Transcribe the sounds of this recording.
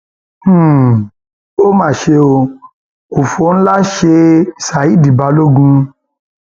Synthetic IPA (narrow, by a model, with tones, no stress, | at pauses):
o˦mãː˦˨ʃe˧o˧ | u˨fo˨˦ñ̩˦la˦ʃe˧˨sa˨i˦˨di˨ba˨˧˦lo˦˨ɡũ˧